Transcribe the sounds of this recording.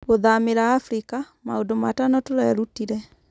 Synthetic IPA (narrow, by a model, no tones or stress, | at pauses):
ɣoðameɾaːfɾika | maodomatanɔtoɾɛɾutiɾɛ